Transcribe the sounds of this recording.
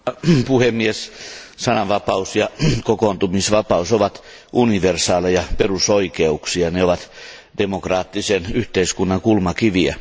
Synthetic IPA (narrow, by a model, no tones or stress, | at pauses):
puhemːiessɑnɑʋʋɑpɑusjɑkokoːnt̪umisʋɑpɑusoʋɑt̪ | ʔuniʋersɑːlejɑperusoikeuksiɑneoʋɑt̪ | d̥emokrɑːt̪ːisenyht̪eiskunːɑŋkulmɑkiʋiæ̰